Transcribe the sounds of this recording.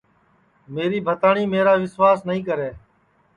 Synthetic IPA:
meːɾiːbʱət̪aːɳiːmeːɾaːʋɪsʋaːsnəɦĩːkəɾeː

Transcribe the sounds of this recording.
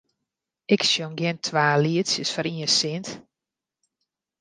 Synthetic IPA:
ɪksjoŋɡjɪntʰʋaːliətsjəsfɔɾiəsɪnt

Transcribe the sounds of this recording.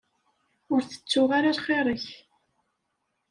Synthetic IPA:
ʊɾθə̥t͡sːʊʁaɾaɾχeɾˤəç

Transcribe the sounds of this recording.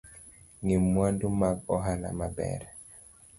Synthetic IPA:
ŋimwandumaɡ̚ɔɦana̰mabɛ̰ɾɛ

